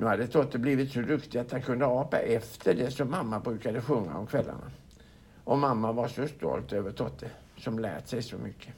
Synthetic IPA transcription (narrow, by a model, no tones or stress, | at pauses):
nʉ̟ːhad̪ːət̪ʰɔt̪ːəbliːvɪt̪sɔd̪ɵkt̪ɪat̪hankʰɵnd̪əɑːpa̰ʔɛft̪ʰəɖɛsɔmːamːabɾʉ̟ːkad̪əɧɵŋːa̰ɔmkʰvɛlːa̰ɳa̰ | ʔɔmamːavaʂɔst̪ɔ̰lt̪øːvəʈ̪ʰɔt̪ʰːə | sɔmlæ̰ːʈ̪sɛjsɔmʏkʰːə